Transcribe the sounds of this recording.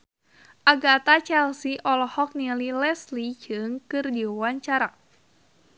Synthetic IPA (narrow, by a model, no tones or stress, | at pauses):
ʔaɡat̪at͡ʃɛlsiʔɔlɔhɔk̚nililɛslid͡ʒɨŋkɨrdiwawaɲt͡ʃaɾa